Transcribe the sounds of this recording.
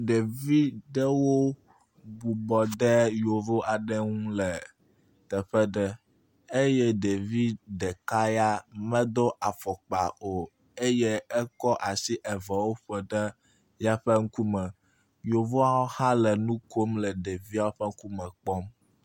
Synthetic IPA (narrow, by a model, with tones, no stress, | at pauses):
ɖe˨vi˦ɖə˦wo˦ | bu˨bɔ˨ɖɛ˦jo˨vo˦a˨ɖɛ˦ŋũ˦lɛ˨ | t̪ɛ˨ɸɛ˦ɖɛ˦ | e˦jɛ˦ɖe˨vi˦ɖɛ˨ka˦ja˦mɛ̃˦d̪o˦ʔa˨fɔ˨k͡pa˨o˨ | e˦jɛ˦ɛ˦kɔ˦ʔa˨si˦ʔɛ˨vɛ˨wo˦ɸɛ˨ɖɛ˦ | ja˦ɸɛ˦ŋ̩˦ku˦mɛ̃˨ | jo˨vo˦a˦wo˦hã˦lɛ˨nũ˦ko˦mlɛ˨ɖe˨vi˦a˦ɸɛ˦ŋ̩˦ku˦mɛ˨k͡pɔ˦m